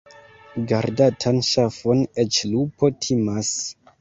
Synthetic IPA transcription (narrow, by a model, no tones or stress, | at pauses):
ɡaɾdatʰanʃafonet͡ʃlupʰo̞tʰimas